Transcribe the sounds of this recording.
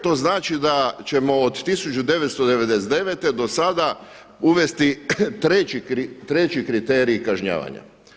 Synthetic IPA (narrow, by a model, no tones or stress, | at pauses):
t̪o̞ːznaːt͡ʃid̪at͡ɕe̞mo̞od̪t̪isut͡ʃud̪e̞ʋet̪st̪od̪eʋe̞d̪eset̪d̪eʋet̪e̞d̪o̞sad̪a | uʋe̞st̪it̪ɾet͡ɕikɾit̪ɾe̞t͡ɕikɾit̪e̞ːɾiːkaʒɲa̰ːʋa̰ɲa̰